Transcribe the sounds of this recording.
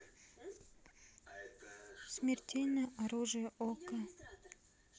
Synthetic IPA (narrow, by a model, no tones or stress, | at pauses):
smʲɪrtʲelʲnəjəʔaɾuʐɨjəʔokə